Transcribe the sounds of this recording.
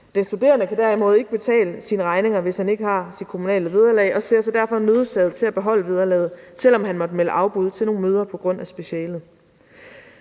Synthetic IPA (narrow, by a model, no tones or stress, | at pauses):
d̥ensd̥ud̥e̝̰ːɐnəkʰæd̥æɐ̰imo̽ːð̞̩ˠe̝ɡ̥əb̥e̝t͡sʰɛ̰ːləsiːnəʁɑ̈ɪne̝ŋɐʋe̝shæne̝ɡ̥əhɑ̈sid̥̚kʰomunɛ̰ːləʋeð̞ˠɐlɛ̰ɪʔɒ̽se̝ɐ̰sɒ̽d̥æɐ̰fɒ̽møːð̞ˠsɛð̞̩ˠt͡sʰe̝læb̥e̝ɦɒ̽l̰əʋið̞ˠɐlɛːð̩ˠt͡sʰe̝l̰ɒ̽mɦænmɒ̽d̥əmeləʔɑ̈ʊb̥uðˠt͡sʰelno̝ːnmøːð̞ˠɐpʰɒ̽ɡ̥ʁɔ̽n̰æsb̥e̝ɕɛ̰ːlð̩ˠ